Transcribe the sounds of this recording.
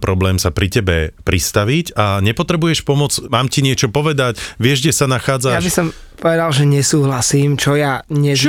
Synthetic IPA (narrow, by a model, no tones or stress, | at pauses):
pɾɔblɛːmsapɾicɛbɛpɾʔist̪aʋicaɲɛpɔt̪ɾɛbujɛʃpɔmɔd͡zmaːmciɲɪɛt͡ʃɔpɔʋɛd̪acʋɪɛʒɡɟɛsanaxaːd͡zajabisɔm | pɔʋɛd̪alʒɛɲɛsuːɦlasiːmt͡ʃɔjaɲɛ